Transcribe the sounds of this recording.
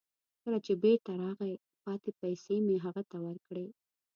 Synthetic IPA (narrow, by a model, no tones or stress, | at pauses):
kəlat͡ʃebeɾt̪aɾɑɣe | pɑt̪epajsemeɦaɣat̪awəɾkɽe